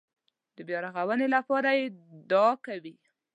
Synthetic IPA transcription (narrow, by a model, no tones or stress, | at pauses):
d̪əbjɑɾaɣawənelapɑɾajed̪ɑkawi